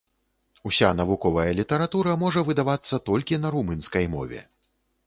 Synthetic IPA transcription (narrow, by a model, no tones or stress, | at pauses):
usʲanɐvukɔvɐjɐlʲit̪ɐɾat̪uɾɐmɔʐɐvɨd̪avat̪sːɐt̪ɔlʲkʲinɐɾumɨnskɐjmɔ̰vʲɛ̰